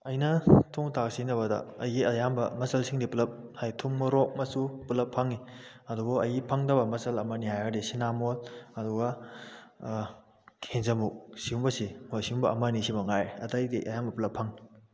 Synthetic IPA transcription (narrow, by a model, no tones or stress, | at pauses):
ɐjnɐtʰuŋtak̚sinɐβɐdɐ̰ɐjɡiɐjambɐ̰mɐsɐlsiŋdiplɐp̚hajtʰuŋmɐɾok̚mɐsupulɐpʰːɐŋi | ɐduɡoɐjɡipʰɐŋdɐbɐmɐsɐlɐmɐniɦajadisinamolɐduɡɐ | kʰenzɐmuk̚siumbɐsimosiumbɐɐmɐnisimɐŋajɐtɐjdiʔɐjambɐplɐpʰːɐŋ